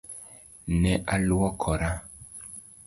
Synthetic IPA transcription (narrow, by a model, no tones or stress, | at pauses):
nɛʔaluɔkʰɔɾa